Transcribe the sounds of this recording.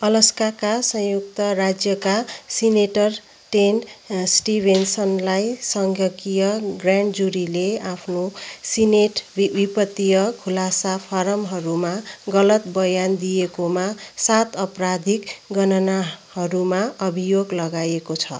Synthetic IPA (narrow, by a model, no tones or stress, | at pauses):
ʌlʌskakasʌ̃juk̚t̪ʌɾad͡zjʌkasineʈʌr | ʈensʈibʱensʌnlajsʌŋɡʱjʌkijʌɡraɳɖd͡zuɾileapʰnosineʈbipʌt̪ːijʌkʰulasapʰʌɾʌmɦʌɾumaɡʌlʌt̪̚bʌjand̪ijekomasat̪ʌprad̪ʱikɡʌnʌnahʌɾumaʌbʱijoɡlʌɡajekot͡sʰʌ